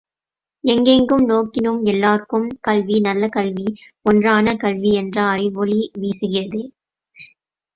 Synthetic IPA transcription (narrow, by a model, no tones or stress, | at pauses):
ɛŋɡɛŋɡɯmnoːkɪnɯmɛlːaːrkɯmkɐlʋinɐlːɐkɐlʋi | ɔndraːnɐkɐlʋiɛndrɐːrɪʋɔliʋiːsɯɣɪrɐðɯ